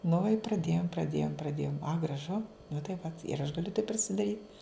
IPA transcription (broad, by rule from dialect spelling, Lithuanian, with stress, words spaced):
nʊ ɪ prɐˈdʲeːjoːm prɐˈdʲeːjoːm prɐˈdʲeːjoːm ɐ ɡrɐˈʒʊ nʊ tɐɪ ˈʋɐ ɪr ɐʃ ɡɐˈlʲʊ tɐɪp pʲrʲɪsʲɪdɐˈrʲiːt